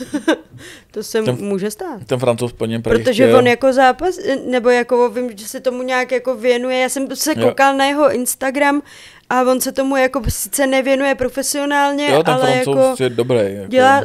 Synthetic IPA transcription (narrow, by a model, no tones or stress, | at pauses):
t̪o̞sɛmuːʒɛst̪aːt̪t̪ɛnfɾant͡sowspl̩ɲɛpɾpɾot̪oʒɛvonjako̞zaːpasnɛbo̞jako̞vɪmʒɛsɛt̪o̞muɲaːkjako̞vjɛnujɛjaːsɛmsɛowkalnajɛɦo̞ʔɪnst̪aɡɾam | ʔavo̞nsɛt̪o̞mujako̞sɪ̥t͡sɛnɛvjɛnujɛpɾo̞fɛsɪo̞naːlɲɛjot̪ɛalɛjako̞jɛdobɾɛjjaɟɛlaː